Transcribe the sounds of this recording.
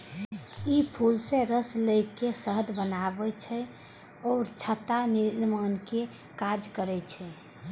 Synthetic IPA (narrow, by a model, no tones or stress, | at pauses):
ipʰulsẽɾəsləkesəɦəd̪ʱbənabɛt͡ʃʰɛ | ɔːɾt͡ʃʰət̪aniɾnmanke | kad͡ʒkəɾɛt͡ʃʰɛ